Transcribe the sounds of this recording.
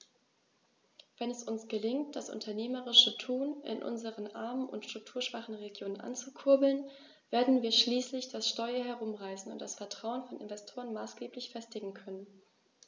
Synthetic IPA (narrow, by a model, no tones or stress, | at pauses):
v̥ɛnɛsʊnsɡ̥əlɪŋt̚d̥asʔʊ̰ntʰɐneːməʁɪʃətʰuːnʔɪ̰nʔʊ̰nzəʁənʔa̰ɐmənʔʊ̰ntʃtʁ̥ʊk̚tʰuːɐʃv̥aχn̩ʁeɡjoːnənʔa̰nt͡sukʰʊɐbl̩n | v̥eːɐdn̩viːɐʃliːslɪçd̥asʃtɔʏɐɦɛɐʁʊmʁaɪsn̩ʊ̰ntd̥asfɛɐtʁ̥aʊənfɔnɪ̰nvɛstʰoːʁənmaːsɡ̥eːplɪçfɛstɪɡŋ̩kʰœnən